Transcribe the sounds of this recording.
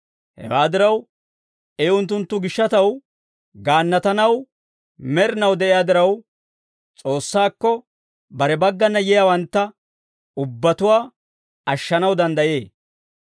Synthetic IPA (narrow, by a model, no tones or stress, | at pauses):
hɛ̰waːd̪ɪɾɐw | eːʊnt̪ːʊnt̪ːʊɡɪʃːɐt̪ɐw | ɡaːnːɐt̪ɐnɐw | mɛɾɪnɐwd̪ɛʔɪjaːd̪ɪɾɐw | t͡sʼo̞ːsːaːkːɔ | bɐɾɛbɐɡːɐnːɐjɛjaːwɐnt̪ːɐ | ʊbːɐt̪ʊwaː | ɐʃːɐnɐwd̪ɐnd̪ɐje̞ː